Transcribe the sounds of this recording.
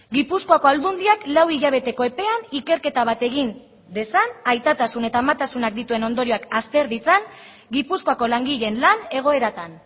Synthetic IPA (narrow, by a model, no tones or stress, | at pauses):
ɡipusko̞ako̞ald̪und̪iaklawiʎaβ̞e̞t̪e̞ko̞e̞pe̞anike̞ɾke̞t̪aβ̞at̪e̞ɣ̞in | d̪e̞sanajt̪at̪asune̞t̪aːmat̪asunak̚d̪it̪ue̞no̞nd̪o̞ɾio̞akast̪e̞ɾðit͡san | ɡipusko̞ako̞laŋɡiʎe̞nlane̞ɣ̞o̞e̞ɾat̪an